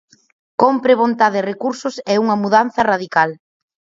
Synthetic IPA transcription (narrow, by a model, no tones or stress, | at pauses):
kompɾɪβ̞ont̪aðɪrekuɾsʊsɛuŋɐmuðan̟θɐraðikal